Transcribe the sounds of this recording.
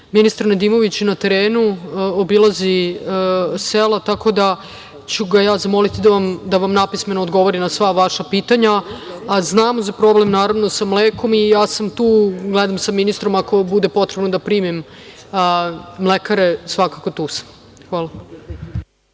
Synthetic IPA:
minist̪aɾnad̪iːmo̞ʋit͡ɕnat̪e̞ɾeːnuobilˠazi | selˠat̪ako̞d̪a | t͡ɕuɡajaːzamo̞lit̪id̪aʋamd̪aʋamnapisme̞noːd̪ɡo̞ʋoɾinasʋaʋaʃapiːt̪aɲaː | znaːmozapɾo̞blemnaːɾaʋno̞samleːko̞mijaːsamt̪uːɡled̪amsaminist̪ɾo̞mako̞bud̪epo̞t̪ɾebnod̪apɾiːmim | mlekaɾesʋakako̞t̪uːsḁm | xʋaːlˠa

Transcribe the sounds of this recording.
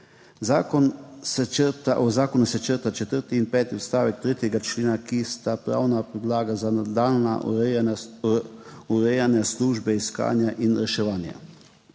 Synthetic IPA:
zakɔnst̪ɔzaːkɔnusɛt͡ʃəɾt̪at͡ʃɛt̪əɾt̪iːnpɛːt̪iɔt̪st̪aːʋɛk̚t̪ɾeːt̪jɛɡat͡ʃleːnakist̪apɾa̰ːwnapɾid̪laːɡazanad̪alna̰ | uɾɛjanɛsluːʒbɛiska̰ːnjaʔinɾɛʃɛʋaːnja̰

